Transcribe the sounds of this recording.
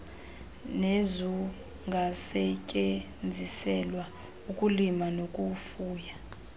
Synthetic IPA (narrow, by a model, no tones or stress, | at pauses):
nezu | ŋɡʱasɛcʼe | nd͡zʱisɛlwa | ukʼulimanokʼufuːja